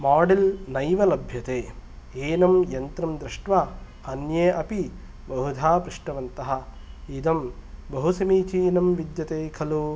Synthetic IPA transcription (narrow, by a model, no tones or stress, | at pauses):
maːɖelnɐjʋɐlɐbʱjɐt̪eː | eːnɐmjɐnt̪ɾɐmd̪ɾiʂʈʋa | ɐnjeːʔɐpi | bɐɦud̪ʱaːpɾɪʂʈɐʋɐnt̪ɐɦɐ̆ | id̪ɐmbɐɦusɐmiːt͡ʃiːnɐmʋid̪jɐt̪eːkʰɐluː